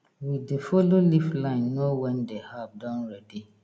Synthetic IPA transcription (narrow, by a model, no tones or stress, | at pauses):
widefɔloliflãɪ̃nːowɛ̃ndehavdãnɹɛdi